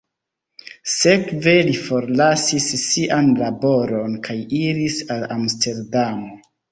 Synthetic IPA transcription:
se̞kve̞lifo̞ɾlasisːiʔanlabo̞ɾo̞nkajiɾisalamste̞ɾdamo

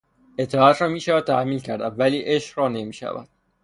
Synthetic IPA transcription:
ʔe̞t̪ʰːɒːæt̪ɾɒːmiːʃævæd̪̚t̪ʰæhmiːncʰæɾd̪ævæliːʔeʃɾɒːne̞miːʃæ̰væ̰d̪̥̚

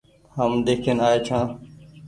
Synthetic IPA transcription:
həmd̪eːkʰeːnaːeːt͡ʃʰãː

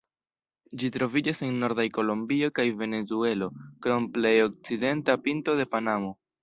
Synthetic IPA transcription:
d͡ʒitɾo̞vid͡ʒase̞nːo̞ɾdajko̞lombio̞kajve̞ne̞zue̞lo̞kɾo̞mple̞jo̞k̚t͡side̞ntapinto̞de̞panamo̞

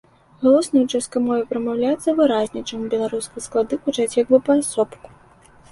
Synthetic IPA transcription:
ɣalˠɔsnɐut͡ʂaskɐjmɔvʲɛpɾɐmawlʲat̪sɐvɨɾazʲnʲit͡ʂɨmbʲɛlˠaɾuskɨsklˠad̪ɨkut͡ʂat͡sʲjaɡ̚bɨpɐsɔpku̥

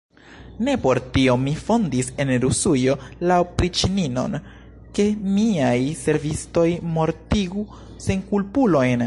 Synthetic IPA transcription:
ne̞po̞ɾtio̞mifo̞ndise̞nɾusujo̞lawpɾit͡ʃinino̞̰n | ke̞miajse̞ɾvisto̞jmo̞ɾtiɡu | se̞ŋkulpulo̞jn

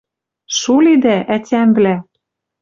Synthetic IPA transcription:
ʃulid̪æʔætʲæmvlæ

